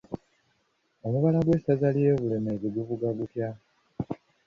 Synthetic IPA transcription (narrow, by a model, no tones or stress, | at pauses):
o̞muβalaɡwe̞sazalije̞ːβule̞meːɡiɡuvuɡaɡutja